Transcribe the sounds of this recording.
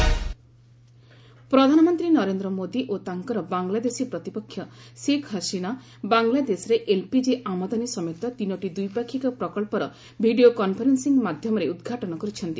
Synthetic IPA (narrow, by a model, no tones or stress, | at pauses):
pɾɔd̪ʱanɔmɔnt̪ɾinɔɾend̪ɾɔmod̪iʔot̪aŋkɔɾɔbaŋlad̪esipɾɔt̪ipɔkʰːjɔsekɦasina | baŋlad̪esɔɾeʔelpid͡ʒiʔamɔd̪anisɔmjɔt̪ɔt̪inɔʈid̪ujpakʰːikɔpɾɔkɔɭpɔɾɔ | bʱiɖiokɔnpʰɔɾensiŋmad̪ʱjɔmɔɾeud̪ɡʱaʈɔnɔkɔɾit͡ʃʰɔnt̪i